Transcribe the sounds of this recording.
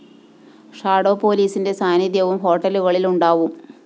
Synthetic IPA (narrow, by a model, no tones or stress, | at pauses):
ʂaːɽo̞ːpo̞ːliːsinde̞saːniðjɐʋumɦo̞ːʈːɐluɣɐɭiluɳɖaːʋum